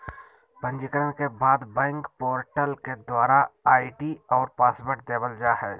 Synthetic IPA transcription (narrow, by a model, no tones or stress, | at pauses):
bə̃nd͡ʒikəɾənkebaːd̪bɛ̃ːŋkpɔːɾʈəlked̪waːɾaaːiʈiɔːɾpaːsbəʈd̪eːbəld͡ʒaːɦɛː